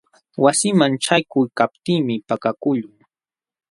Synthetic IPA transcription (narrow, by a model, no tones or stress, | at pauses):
wasɪmanʈ͡ʂajkʊjkapt̪iːmɪpakakʊʎʊŋ